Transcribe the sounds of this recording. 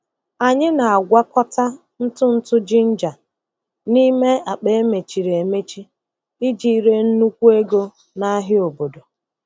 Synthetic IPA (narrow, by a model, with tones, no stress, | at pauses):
a˨ɲɪ˦na˨a˨ɡʷa˦kɔ˦ta˦ | n̩˦tʊ˦n̩˦tʊ˦d͡ʒi˦n̩˦d͡ʒa˨ | ni˦me˦a˨k͡pe˦e˦me˨t͡ʃi˨ɾe˨me˦t͡ʃi˦ | i˦d͡ʒi˦i˦ɾe˦n̩˦nu˦kʷu˦e˦ɡo˦ | na˦ɦɪ˦o˨bo˨do˨